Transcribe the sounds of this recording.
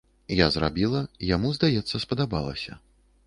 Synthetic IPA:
jazra̰bʲilˠɐjamuzd̪ajɛt̪sːɐspɐd̪aba̰lˠɐ̰sʲɐ̰

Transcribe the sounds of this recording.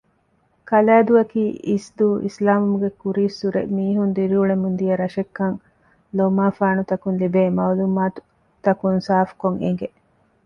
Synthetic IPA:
kɐlæːd̪uɐkiːʔisd̪uːʔḭslaːmumuɡekuɾiːsːuɾḛmiːɦund̪iɾiuɭemund̪ijɐɾɐʃekːɐŋ | lomaːfaːnut̪ɐkunlibeːmɐwlumaːt̪u̥ | t̪ɐkunsaːfu̥koŋḛŋɡe

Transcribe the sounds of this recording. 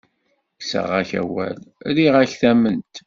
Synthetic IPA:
sə̰ʁæçæ̰wæ̰lɾiʁæçθæmənt̪

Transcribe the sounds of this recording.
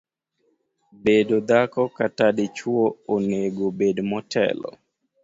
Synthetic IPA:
bedod̪akɔkatadɪt͡ʃwooneɡobedmɔtʰɛ̰lɔ̰

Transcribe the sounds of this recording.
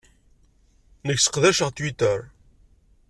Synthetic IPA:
nəçsə̥qðæʃəʁt̪wit̪əɾ

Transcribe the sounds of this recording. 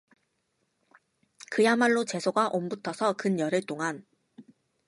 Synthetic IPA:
kɯjamaɭːot͡ɕe̞sʰoɡaʔombutʰʌsʰʌkɯnjʌɾɯɭt͈oŋan

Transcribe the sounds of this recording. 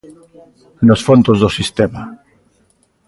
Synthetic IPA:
nosfont̪ozðosist̪ema

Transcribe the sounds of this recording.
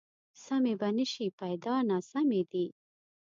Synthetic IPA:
samebanəʃipajd̪ɑnɑsamed̪i

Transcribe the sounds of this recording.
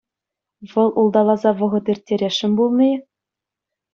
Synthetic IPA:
ʋɤ̆lˠulˠd̪ɑlˠɑzɑʋɤ̆ʁɤ̆t̪irʲtʲːeɾʲeʂːɘ̆mʲbulˠmʲej

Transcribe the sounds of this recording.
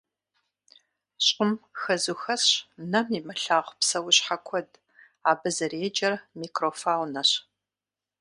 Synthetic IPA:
ɕʼʊmxɐzuxɐɕnɐmimɐɬaːʁʷpsɐwʊɕħakʷʰɔd | aːbɨzɐreːd͡ʒɐrmiːkroːfaːwnɐɕ

